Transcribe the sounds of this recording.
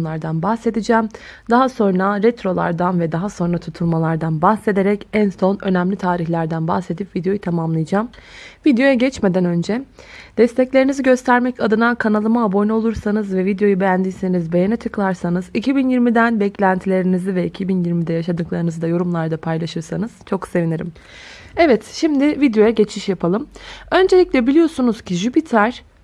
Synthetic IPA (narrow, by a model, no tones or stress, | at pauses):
lˠaɾd̪anbahse̞d̪id͡ʒæːm | d̪aɦaso̞nɾaɾɛt̪ɾo̞lˠa̰ɾd̪anvɛd̪aɦaso̞nɾat̪ʰut̪ʰulˠmalˠaɾd̪anbahse̞d̪e̞ɾɛcænso̞nø̞næmlʲit̪ʰaːɾiçlʲæɾd̪ænbaxse̞d̪ipvid̪ejo̞jɯt̪ʰamamlˠɯjɯd͡ʒaːmvid̪ejo̞jɛɟɛt͡ʃme̞d̪ænø̞nd͡ʒɛd̪̥ɛst̪ʰɛclʲeɾiniziɟø̞st̪ʰæɾmɛcʰad̪ɯnankʰanalˠɯmaːbonyo̞lˠuɾsanɯzvɛvid̪jo̞jubejænd̪iːse̞nizbe̞jenɛt͡ʃʰɯklˠaɾsanɯzicʰibinjiɾmid̪ænbɛclʲænt̪ʰilʲe̞ɾinizivɛicʰibinjiɾmid̪ɛjaʃad̪ɯklˠaɾɯnɯzɯd̪ajo̞ɾumlˠaɾd̪apʰajlˠaʃɯɾsanɯz̥t͡ʃʰo̞kse̞viniɾḭm | ɛvɛt̪ʃimd̪ɪvid̪jo̞jaɟet͡ʃʰmiʃjapʰalˠɯmø̞nd͡ʒe̞lʲiclʲɛbilʲijo̞sunuz̥cʰiʒypit̪ʰaɾ̥